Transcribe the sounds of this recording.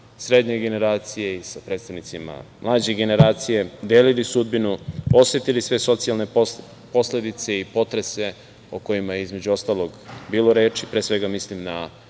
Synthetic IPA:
sɾe̞d̪ɲe̞ɡe̞ne̞ɾaːt̪sije̞isapɾet̪st̪aʋnit̪sima̰mlˠaːd͡ʑeɡe̞ne̞ɾaːt̪sije̞d̪eːlilisud̪binuo̞sʋe̞t̪ilisʋe̞so̞t̪sialˠne̞ | po̞sle̞d̪it̪se̞ipo̞t̪ɾe̞se̞ | oko̞jimajeizme̞d͡ʑuo̞st̪alˠo̞ɡbiːlˠo̞ɾe̞ːt͡ʃipɾeːsʋe̞ɡamislimna

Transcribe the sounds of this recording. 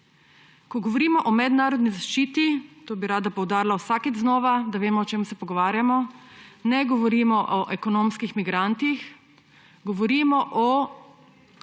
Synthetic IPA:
kɔɡɔʋɔɾiːmɔʔɔmɛd̪naːɾɔd̪nizaʃt͡ʃiːt̪it̪oːbiɾaːd̪apɔwd̪aːɾilawsakit̪znɔːʋad̪aʋeːmɔɔt͡ʃeːmusɛpɔɡɔʋaːɾjamɔnɛɡɔʋɔɾiːmɔʔɔʔɛkɔnoːmskixmiɡɾant̪ix | ɡɔʋɔɾiːmɔʔɔ

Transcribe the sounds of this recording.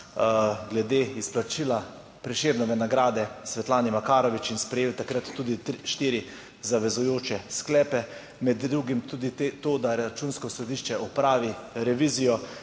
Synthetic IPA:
ɡlɛd̪eːisplat͡ʃila | pɾɛʃeːɾnɛʋɛnaɡɾaːd̪ɛsʋɛt̪laːnimakaːɾɔʋit͡ʃinspɾɛjeːlt̪akɾat̪ːuːd̪iʃt̪iːɾi | zaʋɛzujoːt͡ʃɛsklɛːpɛ | mɛd̪dɾuɡimt̪ud̪it̪ːt̪oːd̪aɾat͡ʃunskɔsɔd̪iʃt͡ʃɛʔɔpɾaːʋiɾɛʋiːzijɔ

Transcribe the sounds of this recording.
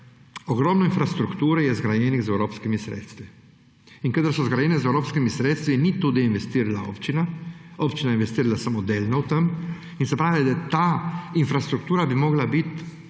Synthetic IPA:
ɔɡɾɔmnɔinfɾast̪ɾukt̪uːɾɛjɛzɡɾajɛːniɣzɛwɾoːpskimisɾḛːt̪st̪ʋi | iŋkəd̪əɾsɔzɡɾajɛnɛzɛwɾoːpskimisɾeːt̪st̪ʋinit̪uːd̪iinʋɛst̪iːɾalao̰pt͡ʃinaopt͡ʃinajeinʋɛst̪iːɾalasamod̪eːlʲnawt̪əm | insɛpɾaːʋilɛd̪at̪ainfɾast̪ɾuk̚t̪uːɾabimɔːɡlabit̪

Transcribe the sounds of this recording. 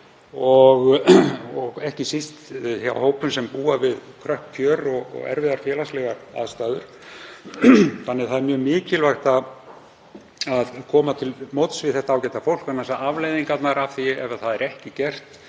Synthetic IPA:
ɔɣ | ɔɣɛhcɪsist̪hawhoːwpʏmsɛmpuːavɪðkʰɾœhpcʰœːɾɔɣɔ̰ɣɛ̰ɾvɪðaɾfjɛːlaslɛɣaɾaðst̪aːðʏɾ̥ | θanːɪθaðɛɾmjœːmɪːcɪlvajxt̪að | aðkʰɔːmat̪ʰɪlmowt̪svɪðθɛht̪aawcɛt̪afowl̥kvanːasaʔavlejðiŋkat̪naɾavθiɛvaɾθaðɛɾɛhcɪcɛr̥t̪

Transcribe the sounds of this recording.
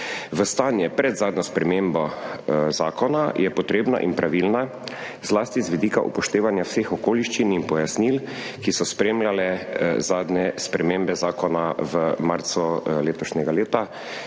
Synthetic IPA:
ʋəst̪aːnjɛpɾɛd̪zaːd̪nɔspɾɛmeːmbɔzaːkɔnajɛpɔt̪ɾeːbna̰ʔḭnpɾaʋilna | zlaːst̪izʋid̪iːka̰ʔṵpɔʃt̪eːʋanjawseːxɔkoːliʃt͡ʃininpɔjasnil | kisɔspɾeːmlalɛzaːd̪nɛspɾɛmeːmbɛzaːkɔnaʋəmaɾt̪sɔleːt̪ɔʃnʲɛɡaleːt̪a

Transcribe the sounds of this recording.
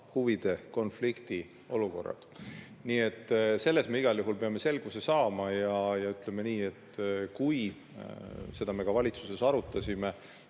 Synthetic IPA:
huvid̪̥e̞ko̞nflikt̪i | oluko̞̰rːɑ̰d̪̥ | niːe̞t̪ːˑse̞lːe̞sme̞iɡ̥ɑljuɦulpe̞ɑme̞se̞lɡ̥use̞sɑːmɑjɑjɑyt̪ˑle̞meniːe̞t̪ːkuj | se̞d̪̥ɑme̞ɡ̥ɑvɑlʲit̪suse̞sɑɾut̪ːˑɑsʲime

